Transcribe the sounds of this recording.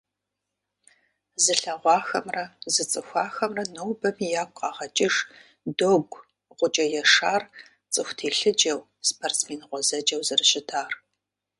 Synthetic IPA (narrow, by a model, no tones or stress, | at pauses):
zɨɬɐʁʷɑːxɐmrɐzɨt͡sʼɨxʷɑːxɐmrɐnowbɐmijaːkʷʼqɑːʁɐt͡ʃʼɪʂ | doːɡʷ | ʁʷʊt͡ʃʼɐjɛʂaːr | t͡sʼɨxʷtʰeːɬɨd͡ʒɐw | spʰort͡smeːnʁʷɔzɐd͡ʒɐwzɨrɨɕɪtʰaːr